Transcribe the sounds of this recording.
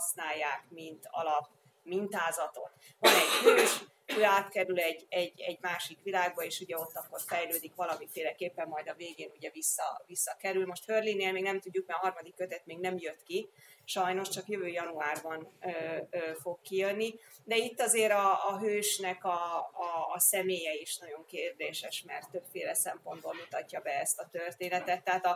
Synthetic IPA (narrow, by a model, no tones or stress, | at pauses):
hɒsnaːjːaːkmint̪ɒ̰lɒp | mint̪aːzɒt̪o̞̰t̪ | vɒnɛɟhøːʃ | øːaːt̪kɛɾylɛɟːɛɟːɛɟmaːʃikʋilaːɡ̚bɒeːʃuɟɛo̞t̪ːɒkːo̞rfɛjløːd̪ikʋɒlɒmifeːlɛkeːpːɛmːɒjd̪ɒveːɡeːnuɟɛvisːɒ̰visːɒkɛɾylmo̞ʃt̪hørlinːeːlmeːɡnɛmt̪uɟːuk̚mɛɒɦɒrmɒd̪ikːøt̪ɛt̪meːɡnɛmjøt̪ki | ʃɒjno̞ʃt͡ʃɒkjøvøːjɒnuaːrbɒnøːøːfo̞kːijønːid̪ɛit̪ːɒzeːɾɒːɦøːʃnɛkɒː | sɛmeːjɛiʃnɒɟo̞ŋkeːrd̪eːʃɛʃmɛrt̪ːøbfeːlɛsɛmpo̞nd̪bolmut̪ɒcːɒbɛɛst̪ɒt̪ørt̪eːnɛt̪ɛt̪ːɛɦaːt̪ɒ